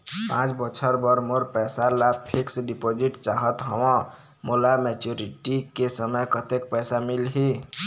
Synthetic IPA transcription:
pãt͡ʃbət͡ʃʰəɾbəɾmoɾpɛjsalapʰiksɖipod͡ʒiʈt͡ʃaɦət̪ɦəwɔ̃ | molamet͡ʃuɾiʈikesəməjkət̪ekpɛjsamilɦi

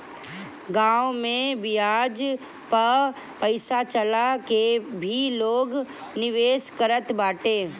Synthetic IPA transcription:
ɡãːwmẽbɪjaːd͡ʒ | pə | pəɪsat͡ʃəlakebʱiloːɡ | nɪʋeːskəɾət̪baːʈeː

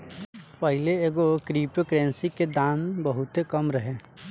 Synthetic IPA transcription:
pəɦɪleeːɡokɾiːpkɾɛːnsiked̪aːmbəɦʊt̪ekɐmɾɐɦeː

